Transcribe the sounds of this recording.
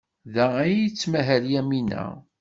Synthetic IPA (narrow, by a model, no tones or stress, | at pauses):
ðææjət͡sːmæɦəɾjæminæ̰